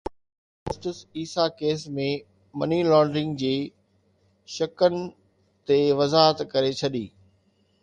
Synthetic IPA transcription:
ʊsʈəsiːsakeːsmẽ | mɐnilɔ̃ːɳɖɾɪ̃ŋɡd͡ʑiː | ʃɐkənɪ̆ | t̪eʋɐzaːɦət̪kɐɾet͡ɕʰɐɗiː

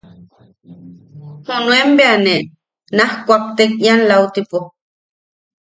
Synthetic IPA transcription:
hunuembeane | nahkʷap̚t̪ekianlawt̪ipo

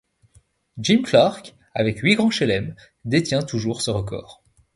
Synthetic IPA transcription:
d͡ʒimklaʁk | a̰vɛkɥiɡʁɑ̃ʃɛlɛm | d̪et̪jɛ̃t̪uʒuʁsəʁəkɔ̰ːʁ

